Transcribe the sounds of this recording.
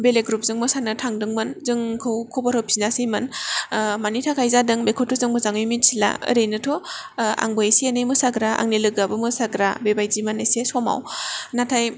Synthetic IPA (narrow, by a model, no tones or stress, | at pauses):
beleɡɾup̚zɯŋmɯsanɯtʰaŋdɯŋmɯnzɯŋkʰɯwkʰɔbaɾopʰiznasimɯn | manitʰakʰajzadɯŋbekʰutʰːuzɯŋbɯzaŋɯjmit̚sila̰ɯ̰ɾɯjnɯtʰɔa̰ŋbɯjesienejmɯsaɡɾaa̰ŋnilɯɡabɯmɯsaɡɾabebajzimanejsesɔma̰wnatʰaj